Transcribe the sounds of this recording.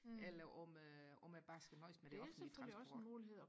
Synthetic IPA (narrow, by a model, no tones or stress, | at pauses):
elɐʔɒmøɒ̽mjæb̥ɑ̈ːsɡ̥ænɒ̽ɪ̰sd̥meɾ̥e̝ɒfn̩it͡sʰɑsmoːliheð̰ˠ